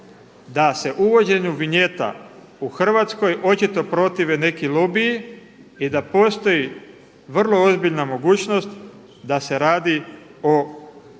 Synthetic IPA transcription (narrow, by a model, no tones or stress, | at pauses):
d̪ase̞ʔuʋo̞d͡ʑe̞ɲuʋiɲe̞t̪a̰ | uxr̩ʋat̪sko̞jo̞t͡ɕit̪o̞pɾo̞t̪iʋe̞ne̞kilobiji | id̪apo̞ːst̪o̞ji | ʋr̩lˠo̞ozbiʎnamo̞ɡuːt͡ɕno̞st̪ | d̪ase̞ɾaːd̪io̞